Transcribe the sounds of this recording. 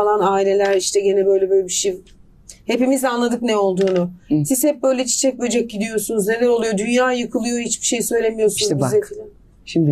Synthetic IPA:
alˠanaːilʲe̞lʲæɾiʃt̪ʰɛɟe̞nɛbø̞jlʲɛbøjlʲbiʃej | he̞pimizanlˠad̪ɯknɛo̞lˠd̪uːnʊsizhɛp̚bø̞jlʲɛt͡ʃʰe̥t͡ʃʰɛc̚mijed͡ʒɛc̚ɟid̪ijo̞sunuzne̞lʲæɾolˠujo̞d̪ynjaːjɯkʰɯlˠujoɦit͡ʃbi̥ʃe̞jsø̞jlʲemijosunuzzekilʲɛ | ʃimd̪

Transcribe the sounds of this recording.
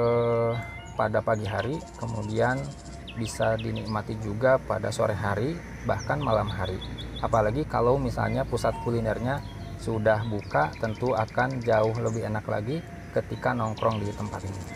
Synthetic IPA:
ə | padapaɡiɦaɾikəmudian | bisadinik̚mat̪id͡ʒuɡapa̰da̰so̰ɾɛɦaɾi | bahkanmalamɦaɾiapalaɡika̰lawmisa̰lɲapusat̪̚kulinɛrɲa | sudahbukat̪ənt̪uakand͡ʒaʊɦləbɪɦenakla̰ɡi | kət̪ikanɔŋkɾɔŋdit̪əmpa̰t̪ini

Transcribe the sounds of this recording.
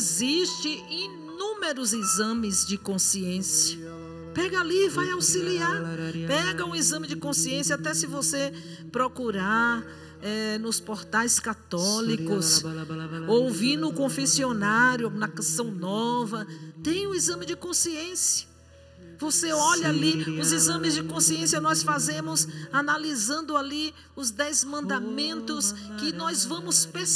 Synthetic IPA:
ziʃt͡ʃɪ̃inũmeɾʊzizɐ̃mɪzd͡ʒɪkõsiẽsiɐ | pɛɡɐalivajawsiliaɾpɛɡɐũizɐ̃mɪd͡ʒɪkõsiẽsjɐat̪ɛsɪvosepɾokuɾaɾ | ɛnʊspoɾt̪ajskat̪ɔlikʊs | owviɾnʊkõfesionaɾjʊnɐkɐ̃sɐ̃w̃nɔvɐt̪ẽj̃ũizɐ̃mɪd͡ʒɪkõsiẽsijɐ | voseɔʎɐaliʊzizɐ̃mɪzd͡ʒɪkõsiẽsjɐnɔsfazẽmʊzanalizɐ̃nd̪ʊali | ʊzd̪ɛzmɐ̃nd̪amẽnt̪ʊskɪnɔzvɐ̃mʊspe

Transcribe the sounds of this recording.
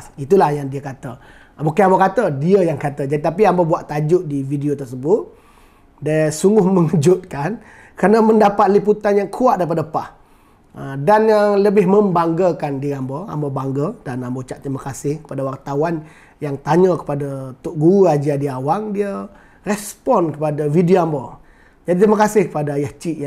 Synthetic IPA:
it̪ulahjaŋdiəkat̪ə | bukiambəkat̪ədiəjaŋkat̪əd͡ʒadit̪ap̬iambəbuaʔt̪ad͡ʒʊʔ̚dividiot̪ərsəbʊt̪̚ | dəsuŋɡʊhmə̃ŋəd͡ʒʊt̪̚kan | kəɾanəməndapat̪̚liput̪anjaŋkʰuaʔdaɾipadəpa̰h | ədanjaŋləbɪɦmə̃mbaŋɡəkandiamboa̰mbobaŋɡədanambot͡ʃaʔt̪ɾimakasɪhkə̥padawart̪awan | jaŋt̪aɲəkə̥padat̪ʊʔ̚ɡuad͡ʒadiawaŋdiə | rɛspɔnkəpadavidioambo | d͡ʒadit̪imakasɪhkə̥padajaht͡ʃiʔ

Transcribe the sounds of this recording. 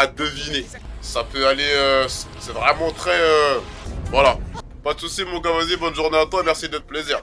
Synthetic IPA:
ad̪əvine | sapøaleøs | sɛvʁɛmɑ̃t̪χɛø | vwala | pad̪əsusimɔ̃kãvazibɔnʒuʁneat̪wamɛʁsid̪ət̪əpleziːʁ

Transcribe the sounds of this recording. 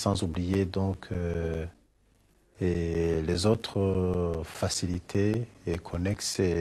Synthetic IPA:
sɑ̃zublijed̪ɔ̃kʰ | elezot̪χəfasilit̪ʰeːkʰɔnɛkse

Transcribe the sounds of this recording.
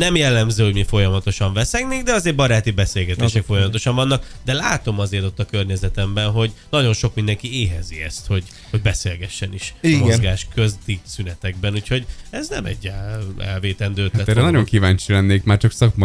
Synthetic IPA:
nɛmjɛlːɛmzøːho̞ɟmifo̞jɒmɒt̪o̞ʃɒɱvɛsɛɡneːɡd̪ɛɒzeːɾbɒɾaːt̪ibɛseːlɡɛt̪eːʃɛkfo̞jɒmɒt̪o̞ʃɒɱvɒnːɒkd̪ɛlaːt̪o̞mɒzeːrt̪o̞t̪ːɒkørɲɛzɛt̪ɛmbɛnɦo̞ɟnɒɟo̞nʃo̞kmind̪ɛŋkieːɦɛziɛ̰st̪ho̞ɟ | ho̞ɟ̚bɛseːlɡɛʃːɛniʃimoozɡaːʃkøzd̪isynɛt̪ɛɡ̚bɛnuːcho̞ɟɛznɛ̰mɛ̰ɟːaɛ̰lveːt̪ɛnd̪øːt̪ɛt̪ɛɾɛnɒɟoŋkivaːɲt͡ʃilɛnːeːkmaːrt͡ʃɒksɒkmɒ

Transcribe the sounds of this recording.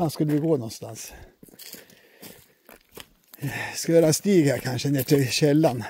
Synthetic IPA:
ɑnskʉlːəʋɪɡoːnɔnst̪ɑ̰ns | skʉøːɾɛnst̪iːɡhæːɾkʰɑnʂəneːʈʰɪɕɛlːɑn

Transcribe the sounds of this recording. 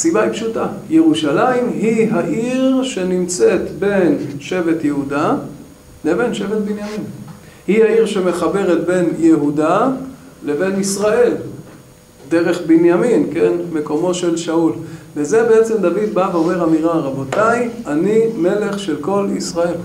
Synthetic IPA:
asibaipʃutaje̞ʁuʃalaimɦiɦaʔiʁʃe̞nimt͡se̞t̪be̞nʃe̞vet̪jeɦuda | neve̞nʃe̞vet̪̚binjamin | hihaiʁʃe̞me̞χabe̞ʁet̪̚be̞njeɦuda | le̞ve̞nisʁae̞l | d̪e̞ʁe̞χbinjaminke̞nme̞ko̞mo̞ʃe̞lʃaulveze̞beet͡se̞md̪avid̪baveome̞ʁamiʁaʁabo̞t̪aianime̞le̞χʃe̞lko̞lḭsʁae̞l

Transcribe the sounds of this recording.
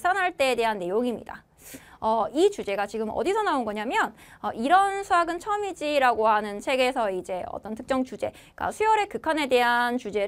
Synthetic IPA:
sʰanɦaɭt͈e̞ːde̞ɦanːe̞joŋimɲḭda̰ | ʌit͡ɕud͡ʑe̞ɡat͡ɕiɡɯmʌ̰disʰʌnaonɡʌɲamjʌn | ʌʔiɾʌnsʰuaɡɯnt͡ɕʰʌmid͡ʑiɾaɡoɦanɯnt͡ɕʰe̞ɡe̞sʰʌid͡ʑe̞ʌ̰t͈ʌntʰɯ̥k̚t͡ɕ͈ʌŋt͡ɕud͡ʑe̞ | k͈a̰sʰujʌɾe̞kɯkʰane̞de̞ɦant͡ɕud͡ʑe̞

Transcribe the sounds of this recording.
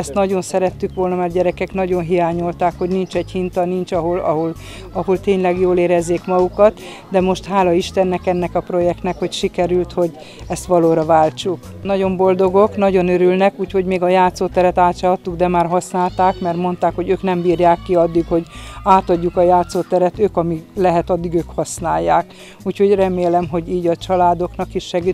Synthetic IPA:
ɛst̪nɒɟo̞nsɛɾɛt̪ːykʋo̞lnɒmɛːrɟɛɾɛkɛknɒɟo̞nɦijaːɲolt̪aːkho̞ɟnint͡ʃɛɟhint̪ɒnint͡ʃɒɦolɒ̰ɦol | ɒho̞lt̪eːɲlɛɡjoːleːɾɛzːeːkmɒukɒt̪ | d̪ɛmo̞ʃt̪ɦaːlɒiʃt̪ɛnːɛkɛnːɛkɒpro̞jɛk̚t̪nɛkho̞cʃikɛɾylt̪ho̞ɟ | ɛst̪ʋɒloːɾɒvaːlt͡ʃuk | nɒɟo̞mbo̞ld̪o̞ɡo̞knɒɟo̞nøɾylnɛkuːcho̞ɟmeːɡɒjaːt̪soːt̪ɛɾɛt̪aːt̪ʃaɒt̪ːuɡd̪ɛmaːrɦɒsnaːlt̪aːkmɛrmo̞nt̪aːkho̞ɟøːknɛmbiːrjaːkːiɒd̪ːikho̞ɟaːt̪ɒɟːukɒjaːt̪soːt̪ɛɾɛt̪øːkɒmilɛɦɛt̪ɒd̪ːiɡøːkhɒsnaːjːaːk | uːcho̞ɟrɛmeːlɛmɦo̞ɟiːɟɒt͡ʃɒlaːd̪o̞knɒkiʃʃɛɡi

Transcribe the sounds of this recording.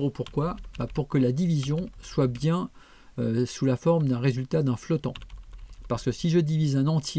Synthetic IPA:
opuʁkwabapuʁkəlad̪ivizjɔ̃swabjɛ̃ | øsulafɔʁmd̪ɛ̃ʁezylt̪ad̪ɛ̃flɔt̪ɑ̰̃paʁsə̥kəsiʒəd̪ivizɛ̃nɑ̃t̪je

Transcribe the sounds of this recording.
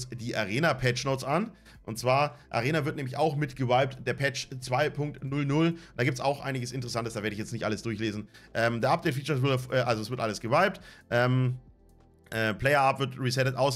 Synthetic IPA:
sd̥iːʔaʁeːnapʰɛt͡ʃnoʊt͡sʔan | ʔʊntt͡sv̥aːɐʔa̰ʁeːnavɪɐtnɛːmlɪça̰ʊxmɪtɡ̥əvaɪp̚td̥eːɐpʰɛt͡ʃt͡sv̥aɪpʰʊŋk̚tnʊlnʊlnd̥aːɡiːp̚tsaʊxʔa̰ɪnɪɡəsɪntəʁəsantəsd̥aːveːɐəɪçjɛt͡stnɪçtʔa̰ləsd̥ʊɐçleːzn̩ʔɛːmdeɐʔap̚d̥ɛɪtfiːt͡ʃɐvɪfʔɛːʔalzosv̥ɪɐtʔaləsɡ̥əvaɪp̚tʔɛːm | ʔɛːpʰl̥ɛɪɐʔapvɪɐtʁisɛtətʔaʊs

